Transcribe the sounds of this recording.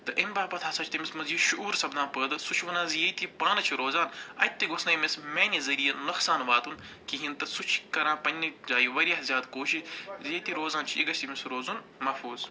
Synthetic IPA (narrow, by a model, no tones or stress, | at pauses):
t̪ɨʔembaːpɐt̪ʰaːsɐt͡ʃʰt̪imismɐzjiʃuʔuːɾsɐbd̪ãːpəːd̪ɨsut͡ʃʰʋɐnãːzjejt̪ipaːnɐt͡ʃʰiɾoːzaːnɐ̰t̪ːiɡosnɐjmesmeːnʲizɐɾijɐnɐxsaːnʋaːt̪un | kiɦĩnt̪ɐsut͡ʃʰkɐɾãːpɐnʲnɨzaːjiʋɐɾʲjaɦzjaːd̪koːʃizjet̪iɾoːzaːnt͡ʃʰiḭɡɐt͡ʃʰt̪imisɾoːzun | mɐfuːz